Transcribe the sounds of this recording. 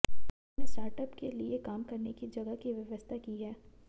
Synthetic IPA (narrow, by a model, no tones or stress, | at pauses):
nesʈaːɾʈəpkeliekaːmkɐɾnekid͡ʒɐɡakiʋjɐʋəst̪ʰakiɦɛː